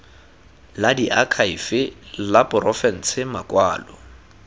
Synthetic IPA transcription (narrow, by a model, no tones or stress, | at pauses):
ladiʔakʰaifɪlapʊɾɔfɛn̩sʰɪmakwaːlɔ